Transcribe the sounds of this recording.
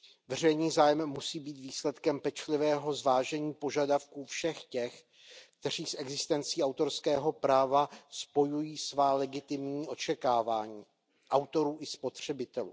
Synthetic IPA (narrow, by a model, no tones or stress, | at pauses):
vɛrɛjniːzaːjɛmːusiːbiːt̪viːslɛt̪kɛmpɛt͡ʃlɪvɛːɦo̞zvaːʒɛɲiːpo̞ʒadafkuːfʃɛxcɛx | k̚t̪ɛr̝iːsʔɛɡzɪst̪ɛnt͡siːawt̪o̞ɾskɛːɦo̞pɾaːvaspo̞jujiːsvaːlɛɡɪt̪ɪmɲiːʔo̞t͡ʃɛkaːvaːɲiː | ʔawt̪o̞ɾuːʔɪspo̞t̪r̝̥ɛbɪt̪ɛlṵː